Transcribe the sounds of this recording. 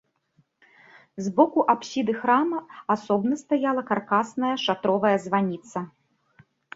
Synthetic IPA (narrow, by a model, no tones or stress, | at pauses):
zbɔkuʔapsʲid̪ɨxɾamɐasɔbnɐst̪ajalˠɐkarkasnɐjɐʂat̪ɾɔvɐjɛzvanʲit̪sɐ